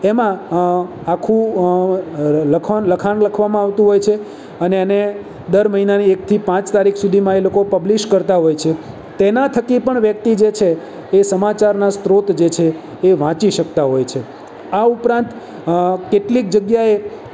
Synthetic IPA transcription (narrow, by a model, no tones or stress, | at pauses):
emã | akʰũ | ləkʰanləkʰanləkʰʋamãaʋt̪ũɦojt͡ʃʰe | əneane | d̪əɾməɦinaniekt̪ʰipãt͡ʃt̪aɾikʰsud̪ʱimãelokopəbliʃkəɾt̪aɦojt͡ʃʰe | t̪enat̪ʰəkipəɳʋjək̚t̪id͡ʒet͡ʃʰeː | səmat͡ʃaɾnast̪ɾot̪d͡ʒet͡ʃʰeː | ʋãt͡ʃiʃək̚t̪aɦojt͡ʃʰe | aupɾãnt̪ | keʈlik̚d͡ʒəɡjae